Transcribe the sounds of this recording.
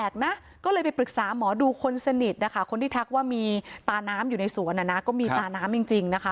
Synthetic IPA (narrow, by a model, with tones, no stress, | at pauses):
ɛː˨˩k̚na˦˥ʔ | kɔː˥˩lɤː˧jpa˧jpɾɯ˨˩k̚saː˩˦mɔː˩˦duː˧kʰo˧nsa˧ni˨˩t̪̚na˦˥kʰa˦˥˩kʰo˧nt̪ʰiː˥˩t̪ʰa˦˩k̚waː˥˩miː˧t̪aː˧naː˦˥mjuː˨˩na˧jsu˩˦ənʔa˨˩na˦˥kɔː˥˩miː˧t̪aː˧naː˦˥mji˧˩ŋt͡ɕi˧ŋna˦˥kʰa˦˥